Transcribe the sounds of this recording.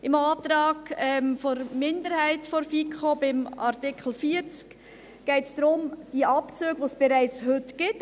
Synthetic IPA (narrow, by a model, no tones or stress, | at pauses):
ɪmɑːt̪ɾɑːɡɛmfɔɾmɪndəɾhæɪtfoɾfikʰχobɪmɑ̰ɾtɪkʰl̩fiəɾt͡sk | ɡ̥ɛɪtsd̥ɾʊmd̥iʔɑpt͡søːɡʋoːsb̥ɛɾæɪt͡shʏtɡ̥ɪt